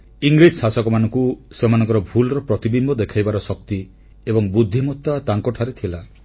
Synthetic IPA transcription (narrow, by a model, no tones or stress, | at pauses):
iŋɡɾid͡ʒsasɔkɔmanɔŋkusemanɔ̃ŋkɔɾɔbʱulɔɾɔpɾɔt̪ibimbʱɔd̪ekʰajbaɾɔsɔk̚t̪i | ebɔŋbud̪ʱːimɔt̪ːat̪aŋkɔʈʰaɾet̪ʰila